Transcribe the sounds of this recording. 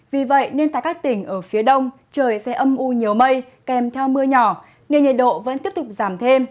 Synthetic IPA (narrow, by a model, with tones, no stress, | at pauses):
vi˨˩və̰˧˨jne˧nt̪a̰ː˧˨jkaː˦˥k̚t̪ï˧˩ŋ̟ʔəː˧˩fi˨˦əɗə˧wŋ͡m | t͡ɕəː˨˩jsɛ̰˧˥ʔə˧mʔu˧ɲi˨˩əwmə˧j | kɛ˨˩mt̪ʰɛ˧wmɨ˧əɲɔ˧˩ | ne˧nɲi˨˩t̚ɗo̰˧˨və̰˧˥nt̪i˦˥əp̚t̪ʊ˨˩k͡p̚zaː˧˩mt̪ʰe˧m